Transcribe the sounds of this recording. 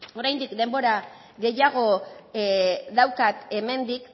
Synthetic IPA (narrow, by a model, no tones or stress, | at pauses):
o̞ɾajnd̪ikd̪e̞mbo̞ɾa | ɣe̞jaɣo̞ | ðawkat̪e̞me̞nd̪ik